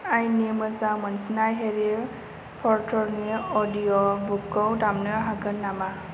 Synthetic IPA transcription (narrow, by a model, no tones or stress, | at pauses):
ajnemɯzamənsinajɦeɾe | pʰɔɾtʰɔɾniɔdijɔbukːɔwdamnɯɦaɡɯnːama